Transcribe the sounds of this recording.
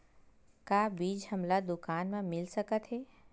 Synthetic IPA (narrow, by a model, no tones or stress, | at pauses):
kaːbiːd͡ʒhɐmlad̪ʊkaːnmẽmɪlsəkət̪ɦeː